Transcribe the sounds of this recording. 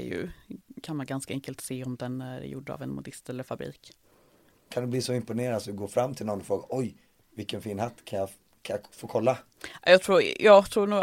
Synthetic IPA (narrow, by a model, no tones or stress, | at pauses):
jɵ̰kʰanmanɡanskaɛŋkəlt̪seːɔmd̪ɛnæɾ̰jʊ̰ɖːəa̰vɛnmʊd̪ɪst̪ɛlːəɾfabɾḭːk | kʰand̪ɵbliːsɔɪmpʊneːɾad̪sɔd̪ɵɡoːɾfɾamːt̪ʰɪlnɔnːɔfɾoːɡaɾʔɔj | vɪkənfiːnhat̪ːkʰanja | kʰajafoːkʰɔlːa | jɑːt̪ʰɾuːjɑːɡt̪ʰɾuːɳuːɡ